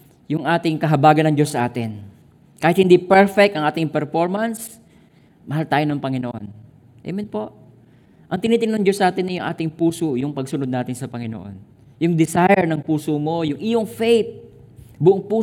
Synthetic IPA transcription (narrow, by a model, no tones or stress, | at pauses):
jʊŋʔaːt̪ɪŋkɐɦɐbaːɡɐnɐŋd͡ʒosːɐʔaːt̪ɪn | kaːhɪt̪hɪnd̪ipɛɹfɛk̚t̪ɐŋʔaːt̪ɪŋpɛɾfoɹmɐns | mɐɦalt̪aːjonɐŋpɐŋɪnoʔo̰n | ʔɛ̰mɪnpo̞ʔ | ʔɐŋt̪ɪniːt̪ɪŋnɐŋd͡ʒosːɐʔaːt̪ɪnːɐjʊŋʔa̰ːt̪ɪŋpuːsojʊŋpɐɡ̚sʊnod̪naːt̪ɪnsɐpɐŋɪno̰ʔo̰n | jʊŋd̪ɪsajɛɹnɐŋpuːsomo̞jʊŋʔɪjoŋfejp̪̚ | bʊʔoŋpuː